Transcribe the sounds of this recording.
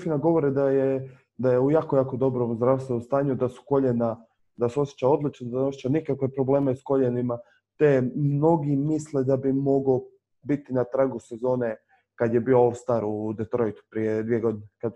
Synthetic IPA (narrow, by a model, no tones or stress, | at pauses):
finaɡo̞ʋo̞ɾid̪aje | d̪ajeujaːko̞jaːko̞d̪o̞bɾomzd̪ɾaːʋst̪ʋenomst̪aːɲud̪asu̥ko̞ʎena | d̪aseo̞sje̥t͡ɕao̞d̪lit͡ʃnod̪asosjet͡ʃanikakʋe̞pɾoble̞ːmesko̞ʎenima | t̪emmno̞ɡimisled̪abimo̞ɡo | bit̪inat̪ɾaɡuse̞zo̞ːne | kad̪je̞bio̞olˠst̪aɾud̪et̪ɾo̞jt̪u̥pɾied̪ʋieɡo̞d̪inekad̪